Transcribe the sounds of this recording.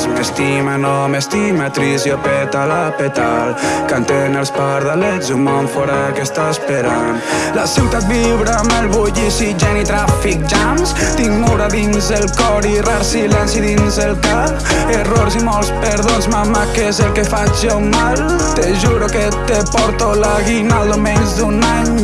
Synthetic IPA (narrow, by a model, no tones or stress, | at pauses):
simest̪imanɔmest̪imat̪ɾisjopet̪alapet̪a̰lkant̪enelspaɾðalɛzumoɱfoɾakest̪aspeɾan | lasiwt̪at̪̚biβɾamelβuʎisiʒɛnit̪ɾafik̚d͡ʒamst̪iŋmuɾaðinzelˠkɔɾiraɾsilɛnsiðinzelkap | eroɾsimɔlˠspeɾðonzmamakezelkefat͡ʃomal | t̪eʒuɾoke | t̪epɔɾt̪olaɣinalˠd̪omenzd̪unaɲ